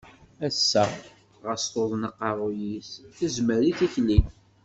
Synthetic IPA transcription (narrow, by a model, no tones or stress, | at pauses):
æsːæ | ʁəst̪oðˤnəqːɑɾˤojisθəzməɾiθiçli